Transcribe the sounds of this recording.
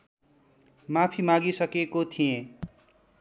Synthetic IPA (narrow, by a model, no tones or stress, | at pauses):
mapʰimãɡisʌkekot̪ʰijẽ